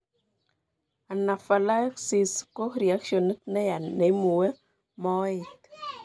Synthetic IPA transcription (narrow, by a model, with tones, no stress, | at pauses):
a˨na˨fa˨la˦ksi˨sko˦ɾi˨a˦kʃo˨ni˦tnɛ˦ja˨ne˨˦mu˨wɛ˦ | mɔ˦ɪ˨t